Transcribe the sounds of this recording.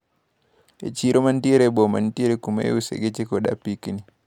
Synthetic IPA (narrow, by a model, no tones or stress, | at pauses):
ʔɛ̰t͡ʃiɾɔmantiɾɛbɔmantiɾɛkuma̰usɛ̰ɡɛt͡ʃɛkɔɗa̰pːikini